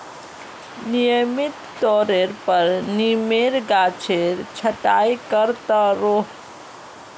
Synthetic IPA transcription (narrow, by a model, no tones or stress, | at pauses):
nijəmɪt̪ːɔːɾeɾpəɾnimeɾɡaːt͡ʃʰeɾt͡ʃʰəʈaːjkəɾt̪aɾoː